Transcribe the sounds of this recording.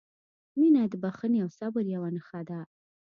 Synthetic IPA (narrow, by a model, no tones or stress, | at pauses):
minad̪əbaxəneawsabəɾjawanəxad̪a